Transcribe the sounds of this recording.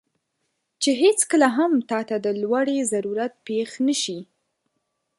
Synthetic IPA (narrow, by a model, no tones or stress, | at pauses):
t͡ʃeɦet͡skəlaɦamt̪ɑt̪ad̪əlwaɽezaɾuɾat̪̚pexnəʃi